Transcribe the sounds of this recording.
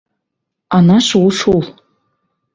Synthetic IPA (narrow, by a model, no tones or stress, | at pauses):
anaʂwuʂul